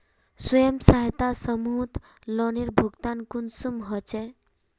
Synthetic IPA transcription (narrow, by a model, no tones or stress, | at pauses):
sɔjəmsaɦit̪asəmut̪ | lɔniɾbʱuɡt̪ankunsumɦɔt͡ʃe